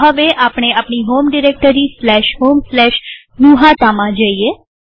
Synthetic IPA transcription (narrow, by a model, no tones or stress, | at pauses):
ɦəʋeʔapɳ̃eapɳiɦomɖiɾek̚ʈəɾislɛʃɦomslɛʃ | nuɦat̪amãd͡ʒəie